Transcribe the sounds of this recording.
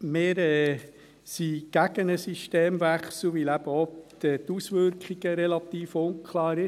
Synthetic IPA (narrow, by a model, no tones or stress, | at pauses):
meːɾɛ | siɡ̥æɡənəsiʃteːmʋæχsllʋilæb̥əɔt̪ɛt̪usʋʏɾkχiɡ̥əɾɛlɑt̪iːfʊnkʰlɑːɾɪ